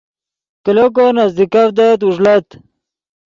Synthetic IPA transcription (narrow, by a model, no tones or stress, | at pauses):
kilok̬onazd̪ikafd̪at̪uʐlɐt̪